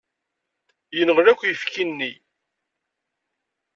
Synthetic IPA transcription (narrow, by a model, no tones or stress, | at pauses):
jənʁlækʷːjəfkinːi